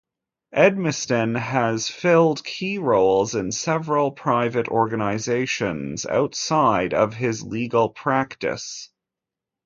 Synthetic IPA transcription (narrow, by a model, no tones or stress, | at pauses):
ʔɛd̚mɨstɨ̃nɨz̥fɪlˠd̚kʰiɹoʊlˠzɨ̃nsɛvɹəl̩ˠpʰɹ̥aɪvɨɾɔɹɡɨnɨɪzeɪʃɨ̰̃nza̰ʊtsaɪɾʌ̰v̥ɪzliɡl̩ˠpʰɹ̥æktɨ̰s